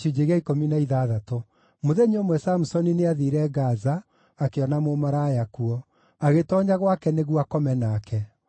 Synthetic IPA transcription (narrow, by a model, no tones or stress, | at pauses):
jud͡ʒeɣaikominaiðaðato | moðɛɲomwɛsamusɔnineaðiɾɛɡazaː | keɔnamomaɾaːjakuɔ | aɣetɔːɲaɣwakɛneɣuakɔmɛnaːkɛ